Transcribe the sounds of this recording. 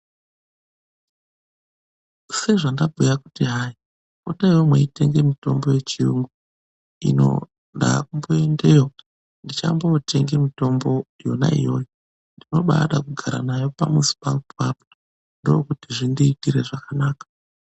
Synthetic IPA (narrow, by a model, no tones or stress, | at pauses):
se̞ʐandabʱujakutiɦai | otaiwomweite̞ŋɡe̞mito̞mbo̞je̞t͡ʃiuːŋɡu | ḭno̞̰ | ɗakumbo̞e̞nde̞jo | ndit͡ʃa̰mbo̞te̞ŋɡe̞mito̞mbo̞jo̞na̰ḭjo̞ːjo | ndino̞ɓa̰ɗakuɡʱaɾa̰najo̞pamusi̥paupʰapo | ndojokutiʐindiːtiɾe̞ʐakanaːkḁ